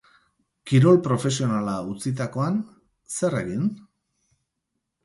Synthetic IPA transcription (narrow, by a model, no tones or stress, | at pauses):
kiɾo̞lpɾo̞fe̞sio̞nalaut͡sit̪ako̞an | se̞re̞ɣin